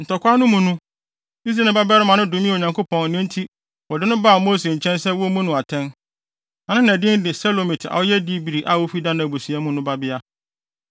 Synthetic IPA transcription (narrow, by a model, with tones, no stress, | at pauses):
n̩˨tɔ˨kʷa˦nʊ̃˦mũ˨nũ˦ | i˦s̬ɾa˨ba˦bɪ˦a˦ɾɪ˦mã˨nʊ̃˦dʊ̃˨mĩ˦˨o˨ɲã˨ŋkʰo˦pʰɔ̃˨n̩˨nɪ̃˦n̩˦tʰi˦ | ɔ˨dɪ˦nʊ̃˦ba˦˨moː˦s̬e˨ɲ̩˨t͡ɕʰɛ̃˦nsɛ˦wɔ˦mũ˦nʊ̃˨a˨tʰɛ̃˦n | ã˨nɪ̃˦nɛ̃˨dɪ̃˦n˦dɪ˨sɛ˦lo˨mĩ˨tʰa̰˨wɔ˦jɛ˦di˦bi˨ɾi˨ʔa˨wo˦fi˦dã˦ñ˨æ˨bu˨si˨a˦mũ˦nʊ̃˦ba˦bɪ˦a˦